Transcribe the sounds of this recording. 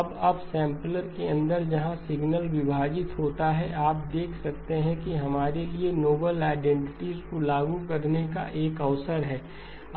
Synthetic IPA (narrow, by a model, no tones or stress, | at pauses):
bɐbsɛ̃ːmpləɾkeɐ̃nd̪əɾd͡ʒɐɦãsɪɡnəlʋɪbʱaːd͡ʒɪt̪ɦoːt̪aɦɛʔaːp̚d̪eːkʰsɐk̚t̪eɦɛ̃kiɦɐmaːɾelienoːbəlaːɪɖɛ̃ɳʈɪʈizkolaːɡukɐɾneka̰ʔeːkɐʋsəɾɦɛː